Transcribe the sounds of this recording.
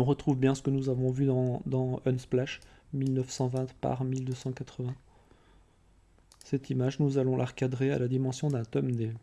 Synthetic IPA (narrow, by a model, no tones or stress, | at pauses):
ɔ̃ʁət̪χuvbjɛ̃sə̥kənuzavɔ̃vyd̪ɑ̃d̪ɑ̃œnsplaʃmilnəfsɑ̃vɛ̃t̪pa̰ʁmild̪øsɑ̃kat̪χəvɛ̃ | sɛt̪imaʒnuzalɔ̃lʔaʁəkad̪ʁea̰lad̪imɑ̃sjɔ̃d̪ɛ̃t̪ɔmd̪e